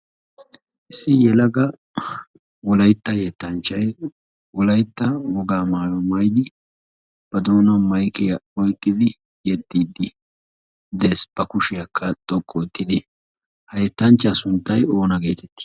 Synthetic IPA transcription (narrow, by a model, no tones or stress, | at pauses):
ʔɪsːɪjɛlɐɡɐ | wɔlɐjt̪ːɐjɛt̪ːɐnt͡ʃːɐj | wɔlɐjt̪ːɐwɔɡaːmaːlɔmɐjd̪ɪ | b̥ɐd̪oːnɐmɐjkɪjɐɔjkʼːɪd̪ɪ | jɛt̪ːiːd̪ːɪ | d̪e̞ːsb̥ɐkʊʃɪjɐkʰːɐt̪ʼɔkʼːɔt̪ːɪd̪ɪ | hɐjɛt̪ːɐnt͡ʃːɐsʊnt̪ːɐjo̞ːnɐɡe̞ːt̪ɛt̪ːɪ̥